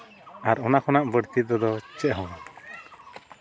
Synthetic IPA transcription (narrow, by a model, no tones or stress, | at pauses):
aɾɔnakʰɔnaʔbəɽt̪id̪ɔd̪ɔt͡ʃɛʔɦɔwa